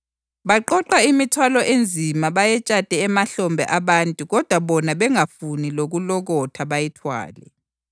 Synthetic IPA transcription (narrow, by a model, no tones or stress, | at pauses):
βaǃɔǃaimitʰwalɔʔend͡zʱimaβajɛt͡ʃʼad̥ʱɛːmaɬɔmbʱɛ̰ʔaβantʼuɣɔd̥ʱwaβɔnaβɛŋafuniloɣulɔɣɔtʰaβajɛtʰwa̰ːlɛ̰